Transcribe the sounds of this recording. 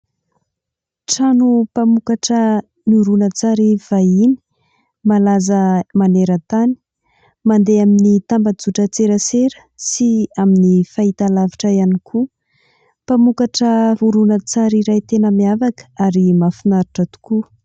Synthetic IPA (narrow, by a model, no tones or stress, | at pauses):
ʈ͡ʂanupamukaʈ͡ʂə | nuɾunət͡saɾiv̥aini̥ | malazəmaneɾət̪ani̥ | mand̪eaminit̪ambad͡zuʈ͡ʂət͡seɾəseɾə̥ | siaminifait̪alaviʈ͡ʂəianikʰu | pamukaʈ͡ʂəuɾunət͡saɾiɾajt̪enəmiavakə̥aɾimafinaɾiʈ͡ʂət̪u̥ku